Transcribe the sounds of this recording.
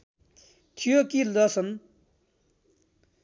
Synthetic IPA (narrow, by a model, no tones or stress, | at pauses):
t̪ʰijokilʌsʰʌn